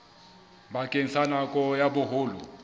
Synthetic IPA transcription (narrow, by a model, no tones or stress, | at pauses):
bakʼen̩sanakʼɔjabʊɦoːlʊ̰